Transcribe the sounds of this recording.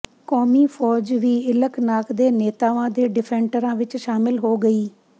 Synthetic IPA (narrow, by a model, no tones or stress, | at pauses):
kɔːmiːpʰɔːd͡ʒʋiːɪləknaːkd̪eːneːt̪aːʋãːd̪eːɖɪpʰɛ̃ːɳʈəɾãːʋɪt͡ʃʃaːmɪlɦoːɡəiː